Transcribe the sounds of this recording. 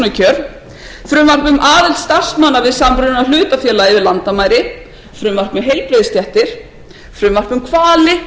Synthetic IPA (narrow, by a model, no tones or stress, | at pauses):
nʏcʰœːɾ | fɾʏːmvar̥pʏmʔaːðɪlt̪st̪ar̥smaːnːavɪðsamɾʏnʏnaðl̥ʏːt̪afjɛːlaɪvɪðlant̪amaːjɾɪ | fɾʏːmvar̥pmʏmɦej̪plejðɪst̪jɛht̪ɪɾ̥ | fɾʏːmvar̥pʏmkʰvaːlɪ